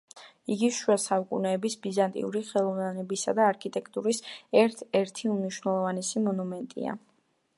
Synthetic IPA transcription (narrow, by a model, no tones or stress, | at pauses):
iɡiʃuasaukʼṵnɛːbisbizant̪ʼḭuɾiχɛlˠɔvanɛbisa̰d̪aːɾkʰit̪ʼɛkʰʼt̪ʼuɾisɛɾt̪ʰɛɾt̪ʰiumniʃwnɛlˠɔvanɛsimɔnumɛnt̪ʼḭa̰